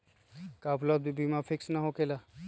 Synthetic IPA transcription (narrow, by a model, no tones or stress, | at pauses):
kaːpləbibimafʰɪksnaɦokela